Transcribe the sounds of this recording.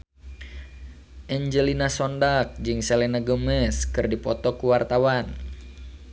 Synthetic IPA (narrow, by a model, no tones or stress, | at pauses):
ʔɛɲd͡ʒəlinasɔndak̚d͡ʒɨŋsɛlɛnaɡəməskɨrdipɔt̪ɔkuwart̪awan